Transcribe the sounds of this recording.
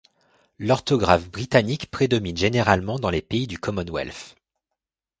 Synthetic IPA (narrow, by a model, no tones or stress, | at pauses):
lɔʁt̪ɔɡʁafbʁit̪anikpχed̪ɔminʒeneʁalmɑ̃d̪ɑ̃lepeid̪ykʰɔmɔnwɛ̰lf